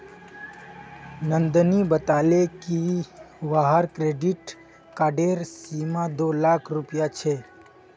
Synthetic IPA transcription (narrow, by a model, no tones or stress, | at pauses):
nənd̪nibət̪aleki | ʋaɦaɾkɾeɖiʈ | kaːɖeɾsimãd̪olakʰɾʊpjat͡ʃʰe